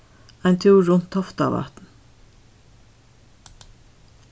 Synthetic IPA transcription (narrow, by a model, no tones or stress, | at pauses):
æɪnt̪ʰʉːɹʊnt̪ʰɔft̪ɑ̰ːʋæ̰t̪n̩